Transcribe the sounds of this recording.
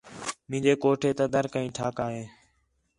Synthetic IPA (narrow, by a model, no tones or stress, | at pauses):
mɪ̃ːɲd͡ʒeːkoːʈʰeːt̪əːd̪əɾkəĩːʈʰaːkaːɦeː